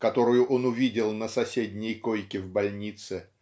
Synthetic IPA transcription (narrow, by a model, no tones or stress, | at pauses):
kɐt̪o̞ɾʊjʊʔo̞nʊvʲidʲɪlˠnəsɐsʲedʲnʲəjkojkʲɪvbɐlʲnʲit̪sɨ